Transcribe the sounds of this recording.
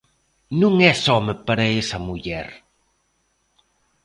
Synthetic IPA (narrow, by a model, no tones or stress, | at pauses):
nuŋɛsɔməpaɾeesɐmuʎɛ̰ɾ